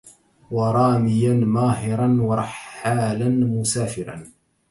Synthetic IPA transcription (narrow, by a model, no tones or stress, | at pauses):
wɑɾˤɑːmɪjanmaːɦɪɾˤɑnwɑɾˤɑħːaːlanmʊsaːfɪɾɑ̰n